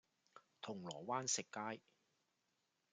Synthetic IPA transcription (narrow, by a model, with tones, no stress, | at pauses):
t̪ʰʊ˨˩ŋlɔː˨˩waː˥nsɪ˨kːaː˥j